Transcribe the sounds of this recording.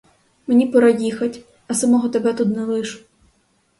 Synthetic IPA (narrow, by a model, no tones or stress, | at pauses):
menʲipɔɾɑjixɐtʲ | ɐsɐmɔɦɔt̪ebɛt̪ut̪nɛlˠɪʃʊ̥